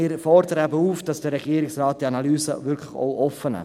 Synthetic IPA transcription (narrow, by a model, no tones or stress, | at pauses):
ɪːɾfɔɾd̪əɾəæbəuːfd̥ɑsd̥əɾːɛɡ̥iːɾɪksrɑːt̚d̥iɑnɑlyːsə̰ʋʏɾkʰlɪχo̰ʊʔɔfənɛ̰